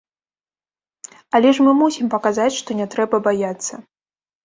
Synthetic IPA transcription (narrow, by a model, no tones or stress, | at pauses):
alʲɛʂmɨmusʲimpɐkazat͡sʲʂt̪ɔnʲɛt̪ɾɛbɐbajat̪sːɐ